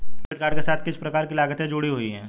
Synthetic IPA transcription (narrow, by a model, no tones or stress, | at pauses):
bɪʈkaːɾɖkesaːt̪ʰkɪspɾɐkaːɾkilaːɡət̪ɦɛ̃d͡ʒʊɽiɦʊiɦɛ̃ː